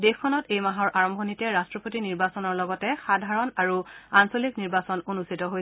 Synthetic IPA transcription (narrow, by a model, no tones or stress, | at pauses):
dexʰɔnɔtejmaɦɔɹʔaɹɔmbʱɔnitɛɹastɹɔpotiniɹbasɔnɔɹlɔɡɔtɛxadʱaɹɔnaɹuansolikniɹbasɔnonustʰitɔɦoj